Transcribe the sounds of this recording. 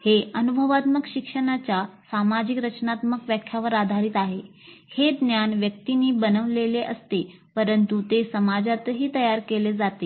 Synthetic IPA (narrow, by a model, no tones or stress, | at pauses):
heənubʱəʋat̪məkɕikʂəɽ̃at͡ɕjasamad͡ʑikɾət͡ɕnat̪məkʋjakʰjaʋəɾad̪ʱaɾiːt̪aɦe | hed̪njanʋjəkt̪iniːbənəʋleleʔəst̪e | pəɾənt̪ut̪esəmad͡zat̪ɦiːt̪əjaɾkeled͡zat̪e